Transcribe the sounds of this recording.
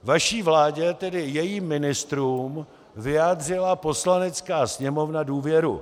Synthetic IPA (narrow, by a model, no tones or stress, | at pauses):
vaʃiːvlaːɟɛt̪ɛdɪjɛjiːmːɪnɪst̪ɾuːm | vɪjaːd̪r̝ɪlapo̞slanɛt͡skaːsɲɛmo̞vnaduːvjɛɾṵ